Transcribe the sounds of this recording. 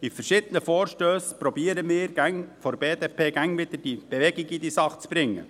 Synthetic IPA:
ifərʃɪd̪ənəfɔːɾʃtøːspɾɔbiəɾəmɪːɾɡ̥æŋfɔɾbeːd̪epʰeːɡæŋʋɪd̪əd̥ib̥eʋɛɡiɡid̪isɑχət͡sb̥ɾɪŋːə̰

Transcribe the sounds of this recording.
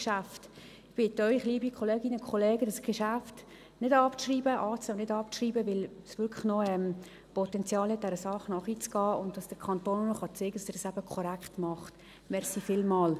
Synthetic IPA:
ʃæft | ɪb̥ɪtːœʏχliəbikʰɔleːɡɪnəkʰɔleːɡədɑsɡ̥eʃæft | nɪdɑpʃriːbəʔɑːt͡sːnɪdɑp̚ʃriːbəʋɪlsʋʏɾkʰlə̥χnɔɛm | pɔtɛnt͡sjɑːlhɛt̚d̥ɛɾəsɑχnɑχit͡sɡ̥ɑːʊnt̚d̥ɑsd̥əkʰɑntoːnnɔχɑt͡seɡədɑsd̥ɪːɾd̥ɑsæbəkʰɔɾækχtmɑχt | mɛrsifɪlmɑːl

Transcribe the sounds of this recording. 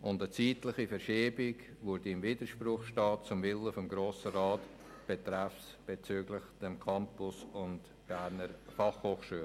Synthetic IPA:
ʔʊndət͡siːtlɪχifəɾʃiːbɪɡ | vʊɾdiɪmviːdəʃprʊχʃtɑːt̚t͡sʊmvɪləfɔmɡɾoːsəɾaːt | b̥etɾæfsb̥et͡syːɡlɪχd̥ɛmkʰɑmpʊsʊnt | b̥æɾnəɾfɑχhoːχʃyːl

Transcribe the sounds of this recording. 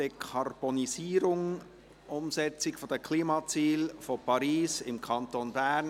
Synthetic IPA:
d̥ekʰɑrb̥onisiːɾʊŋ | ʔʊmsɛt͡sɪkfod̥̪əkʰliːmɑːt͡siːlfɔpʰɑɾiːsɪmkʰɑnt̪onbæːn

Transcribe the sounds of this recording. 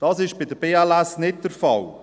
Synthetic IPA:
d̥ɑːsɪʃb̥ɪdəb̥eːɛlɛsnɪt̚dəɾfɑl

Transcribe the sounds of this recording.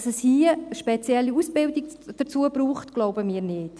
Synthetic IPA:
səshiːəʃpɛt͡sjɛlːiusbɪldiɡd̥əɾt͡suəbruːχtɡ̥loʊbəmiːɾnɪːt

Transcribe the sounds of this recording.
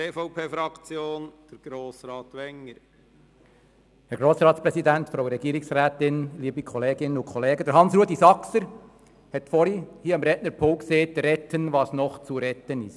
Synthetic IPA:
eːfɔʊpʰeːfɾɑkt͡sjoːnd̥əɾɡ̥ɾoːsɾɑːtʋɛŋːəɾ | hɛɾɡ̥ɾoːsɾɑːt̪spɾɛsid̪æntfɾowɾɛɡ̥iːɾiksɾæːt̪ɪnliːbikʰɔleːɡɪnənʊkʰχɔleːɡəd̪əɾɦɑnsɾuːəd̪isɑksəɾ | hɛt̪fɔɾihiːəɑmɾɛtnəɾpʰʊlkseːt̪ɾɛtʰənʋɑːsnɔχt͡suɾɛtənɪst

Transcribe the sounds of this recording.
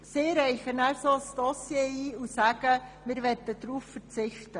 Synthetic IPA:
sɪɾɛɪχənæsosd̥ɔsjeːiːusæɡəmɪɾʋɛt̪ːəd̥̪ɾuːffəɾt͡sɪχtə

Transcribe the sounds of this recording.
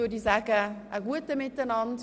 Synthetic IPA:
odizakəəɡuət̚dəmɪtənɑnt

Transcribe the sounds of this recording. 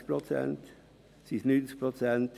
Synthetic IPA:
pʰɾɔt̪sɛ̰nt̪ | sisnyt̪spʰɾɔsɛnt̪

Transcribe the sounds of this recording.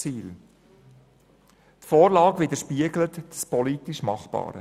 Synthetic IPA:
t͡siːl | tfoːɾlɑːɡʋɪd̪əɾʃpiəɡlət̪spɔlit̪iʃmɑχb̥ɑ̰ːɾə̰

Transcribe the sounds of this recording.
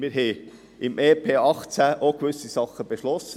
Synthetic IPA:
mɪːɾɦɛ | ɪmʔeːpʰeːɑχt͡sæʔokʋʏsisɑχəb̥eʃlɔsə

